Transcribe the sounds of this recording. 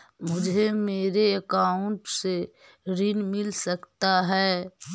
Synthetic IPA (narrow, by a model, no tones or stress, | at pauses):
mʊd͡ʒʱemeːɾeɐkaːʊɳʈse | ɾɪnmɪlsɐkt̪aɦɛː